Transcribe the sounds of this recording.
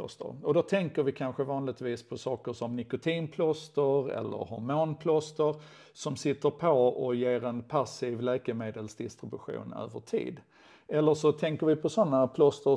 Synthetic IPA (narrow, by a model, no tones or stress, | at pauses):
st̪ə̰ɾɔd̪ɔt̪ʰɛŋkəɾvɪkʰanɧəvɑːnlɪɡ̚t̪viːspʰɔsɑːkəʂɔmnɪkʊt̪ʰiːnpʰlɔst̪əɾɛ̰lːə̰ɾhɔ̰ɾmoːnpʰlɔst̪əɾ | sɔmsɪt̪ːəɾpʰɔɔjeːɾɛnpʰasiːvlɛːkəmeːd̪əlsd̪ɪst̪ɾɪbɵɧṵːnø̰ːvəʈʰḭːd̪ | ɛlːəʂɔt̪ʰɛŋkəɾvɪpʰɔsɔnːapʰlɔst̪ə